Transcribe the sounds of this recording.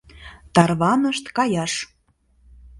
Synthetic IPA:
t̪ɑrβɑnəʃt̪kɑjɑʃ

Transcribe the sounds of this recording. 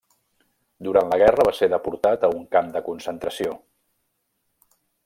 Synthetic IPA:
d̪uɾantləɣ̞ɛrəβ̞aseðəpuɾt̪at̪əuŋkamd̪əkunsənt̪ɾəsio

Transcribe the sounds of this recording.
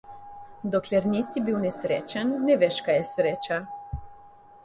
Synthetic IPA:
d̪ɔklɛɾnisibiwnɛsɾḛːt͡ʃanːɛʋeʃkajɛsɾeːt͡ʃa

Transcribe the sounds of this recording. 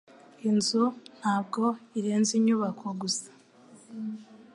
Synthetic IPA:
inzun̥haːb̚ɡo̞iɾeːnziɲuβakʰoɡusḁ

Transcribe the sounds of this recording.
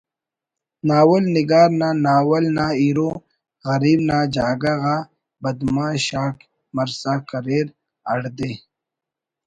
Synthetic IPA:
naːwɐlniɡaːɾnanaːwɐlnaːiːɾo | ɣɐɾiːbnaːd͡ʑaːɡaɣa | bɐd̪mãːɕaːk | mɐɾsaːkɐɾeːɾ | ɐɽd̪eː

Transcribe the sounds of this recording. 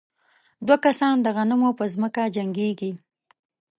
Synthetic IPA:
d̪wakasɑnd̪əɣanəmopəzməkad͡ʒaŋɡeɡi

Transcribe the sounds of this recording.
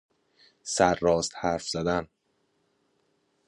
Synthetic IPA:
sæɾːɒːst̪hæːɾfz̥æd̪æn

